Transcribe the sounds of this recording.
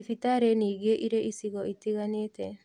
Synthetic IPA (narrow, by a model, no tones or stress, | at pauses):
fit̪aɾeniɡeʔiɾeʔisiɡɔʔit̪iɡanet̪e